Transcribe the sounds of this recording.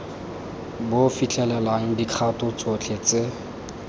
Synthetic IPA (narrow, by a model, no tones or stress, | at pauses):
bofit͡ɬʰɛlɛlaŋ̩dikʰatʊt͡sʊt͡ɬʰet͡se